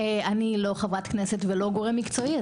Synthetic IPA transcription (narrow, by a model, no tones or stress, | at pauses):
eanilo̞χavʁat̪kneset̪velo̞ɡo̞ʁemːikt͡so̞i